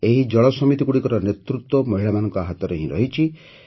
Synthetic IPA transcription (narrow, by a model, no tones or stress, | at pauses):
eɦid͡ʒɔɭɔsɔmit̪ikuɽikɔɾɔnet̪ɾut̪wɔmɔɦiɭamanɔ̃ŋkɔaɦat̪ɔɾeɦĩɾɔɦit͡ʃʰi